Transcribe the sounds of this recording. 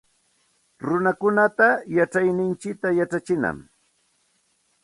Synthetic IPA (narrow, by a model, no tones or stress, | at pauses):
ɾʊnakʊnat̪ajaʈ͡ʂajnɪnt͡ʃɪt̪ajaʈ͡ʂat͡ʃɪna̰m